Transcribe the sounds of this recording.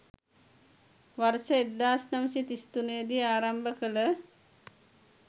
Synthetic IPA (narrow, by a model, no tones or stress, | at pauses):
ʋaɾsəed̪ːaːsnɐʋsit̪ist̪unejːd̪iaːɾambəkələ